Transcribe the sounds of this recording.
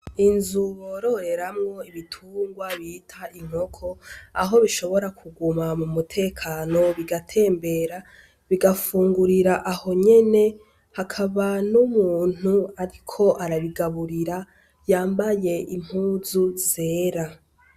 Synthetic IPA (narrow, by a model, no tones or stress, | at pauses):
inzuβoɾo̞ɾe̞ɾamŋo̞iβitʰuːŋɡwaβitʰaiŋ̥o̞kʰo̞aɦo̞βiʃo̞βo̞ɾakʰuɡumamumutʰe̞ːkʰaːno̞βiɡatʰe̞ːmbe̞ɾa | βiɡafuːŋɡuɾiɾaʔaho̞ɲe̞ne̞ | hakʰaβanumuːn̥uaɾikʰo̞ʔaɾaβiɡaβuɾiɾa | jaːmbaje̞ʔim̥huːzuzeːɾa